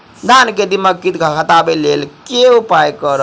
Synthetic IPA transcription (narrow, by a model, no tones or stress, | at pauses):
d̪ʱanked̪iməɡkit̪ɡʱəkət̪abelelkeupajkəɾ